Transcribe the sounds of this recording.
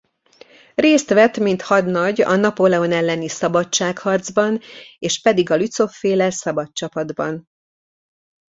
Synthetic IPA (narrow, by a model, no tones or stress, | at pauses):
reːst̪ʋɛt̪mint̪hɒd̪nɒɟɒ̰nɒpolɛonɛlːɛnisɒbɒtt͡ʃaːkhɒrd̪zbɒneːʃpɛd̪iɡɒlyt̪so̞fːeːlɛsɒbɒtt͡ʃɒpɒd̪bɒn